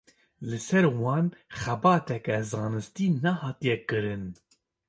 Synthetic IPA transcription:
lɨsɛɾwɑːnxɛbɑːt̪ɛkɛzɑːnɨst̪iːnɛhɑːt̪ijɛkɨɾɨn

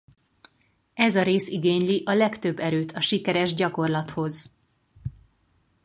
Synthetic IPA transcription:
ɛzɒɾeːsiɡeːɲliʔɒlɛkt̪øbːɛɾøːt̪ʰɒʃikɛɾɛʒɟɒko̞rlɒt̪ho̞z

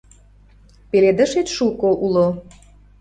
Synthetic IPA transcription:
peled̪ə̆ʃet̪ʃukoʔulo

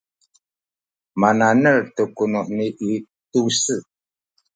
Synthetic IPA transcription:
mananəɾtəkunɔʔniʔi | tusə

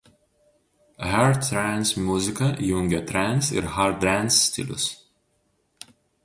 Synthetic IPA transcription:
haɾɾænsmʲuzʲɪkɐjʊ̃ŋʲɡʲɛt̪ɾænsɪ̰ɾhaɾt̪̚d̪ænsːt̪ʲḭlʲʊ̰s

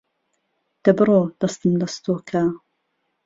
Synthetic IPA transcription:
d̪̥ɐbɨɾoːd̪̥ɐst̪ɨmdɐst̪oːkʰaː

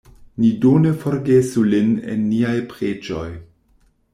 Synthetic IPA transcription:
nidonefo̞ɾɡesulinḛnːiajpɾed͡ʒo̞j

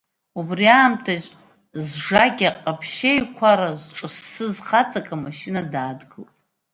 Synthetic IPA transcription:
ubriaːmtʰaʒ | zʐaɡʲaqʼapʰʃejkʷʰaɾazʈ͡ʂʼɨsːɨzχat͡sʼakʼamaʃinadaːdɡɨlpʼ

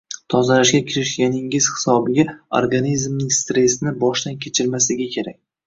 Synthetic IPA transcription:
t̪ʰɒzalaʃɡʲakʲʰɪɾɪʃɡʲanɪŋɪz̥hɪ̥sɒbɪɡʲao̰ɾɡanizmnɪŋst̪ɾe̞snɪbɒʃd̪ankʲʰe̞t͡ʃʰɪɾmasɪɡʲakʲʰe̞ɾak̚ʲ

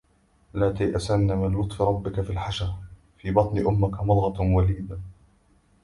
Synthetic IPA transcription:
laːt̪ajʔasanːamɪnwʊt̪ˤfɪɾˤɑbːɪkafiːlħaʃa | fiːbɑt̪ˤnɪʔʊmːakamʊd̪ˤɣɑwaliːd̪a

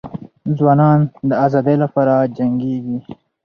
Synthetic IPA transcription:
zwɑːnɑnd̪əazɑːd̪elapɑɾad͡ʒaŋɡeɡi

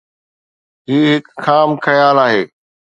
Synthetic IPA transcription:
ɦiːɦɪkxaːmkɐjaːlaːɦeː

